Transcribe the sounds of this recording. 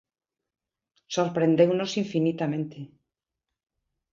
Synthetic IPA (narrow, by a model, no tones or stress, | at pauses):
so̞ɾpɾe̞nd̪e̞wno̞siɱfinit̪amẽ̞nt̪e